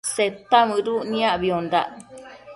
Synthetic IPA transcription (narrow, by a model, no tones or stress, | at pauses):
set̪amɨ̃ɾuʔnĩãʔβiond̪a̰ʔ